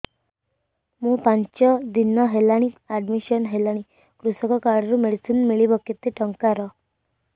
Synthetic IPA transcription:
mũːpãɲt͡ʃɔd̪inɔɦelaɽ̃iaɖmiʃɔnɦelaɽ̃i | kɾusɔkɔkaɾɖɾumeɽisinmiɭibɔkːit̪ːeʈɔŋkaɾɔ

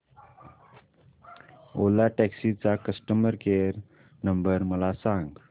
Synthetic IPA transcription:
olaʈæksit͡sakəsʈəməɾkeɾ | nəmbəɾməlasãŋɡ

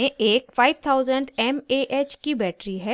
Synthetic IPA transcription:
ẽʔeːkfaːɪʋt̪ʰaːʊzəɳɖɛmeːʔeːt͡ʃkibɛːʈɾiɦɛː

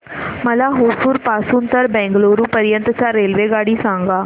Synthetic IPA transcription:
məlaɦosuːɾpasuːnt̪əɾbɛ̃ŋɡloɾuːpəɾjənt̪ət͡ɕaɾelʋeɡaɽiːsãŋɡa

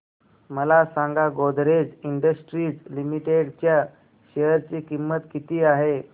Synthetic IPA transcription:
məlasãŋɡaɡod̪ɾed͡ziɳɖəsʈɾiːd͡zlimiʈeɽt͡ɕja | ɕeɦəɾt͡ɕiːkimːət̪kit̪iːaɦe

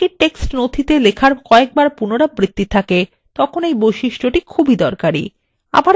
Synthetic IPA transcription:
iʈeksʈnod̪ʱit̪elekʰaɾkɔek̚baɾpunoɾabɾit̪ːit̪ʰake | t̪ɔkʰonejbojʃiʃʈoʈikʰubʱid̪ɔɾkaɾḭ | a̰baɾ

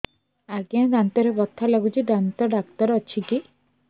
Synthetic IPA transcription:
aɡiãd̪ant̪ɔɾebɔt̪ʰːalɔɡut͡ʃʰiɖant̪ɔɖakt̪ɔɾɔt͡ʃʰiki

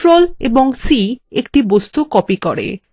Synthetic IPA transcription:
ɾolḛboŋsiekʈibost̪ukɔpikɔɾḛ

